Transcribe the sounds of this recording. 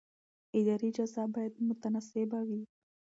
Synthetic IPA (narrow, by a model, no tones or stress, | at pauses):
ɪd̪aɾid͡ʒazabajad̪mʊt̪anasɪbawi